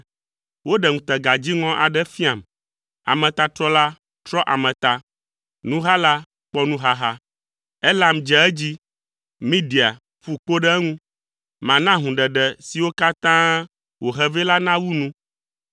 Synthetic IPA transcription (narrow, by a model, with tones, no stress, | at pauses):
wo˦ɖɛ˨ŋũ˨t̪ɛ˨ɡa˨d͡ʑi˦ŋɔ̃˦ʔa˨ɖɛ˦fi˦a˨m | a̰˨mɛ̃˨t̪a˨t̪ɾɔ˦la˦ | t̪ɾɔ˦ʔa˨mɛ̃˨t̪a˨ | nũ˦ɦa˦la˦ | k͡pɔ˦nũ˦ɦa˦ɦa˦ | ɛ˦la˦m˨d͡ʒɛ˨ɛ˦d͡ʑi˦ | mĩ˦di˨a˨ | ɸu˨k͡po˦ɖɛ˦ŋũ˦ | mã˨nã˦ɦũ˨ɖɛ˨ɖɛ˨si˨wo˦ka˦t̪ã˦ | wo˨ɦɛ˦vɛ˦la˦nã˦wu˦nũ˦